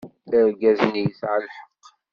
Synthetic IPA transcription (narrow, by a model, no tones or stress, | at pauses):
əɾɡæznjəθʕəlħə̥qː